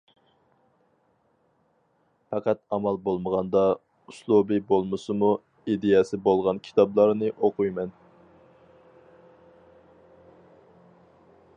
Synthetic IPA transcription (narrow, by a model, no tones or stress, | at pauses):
pɑqʰɑt̪ɑmɑlˠbolˠməʁɑnd̪ɑ | uslˠubɨbolˠmɨsɨmu | id̪ejɛsɪbolˠʁɑnkʲʰi̥t̪ʰɑblˠɑɾnɨʔoqujmɛn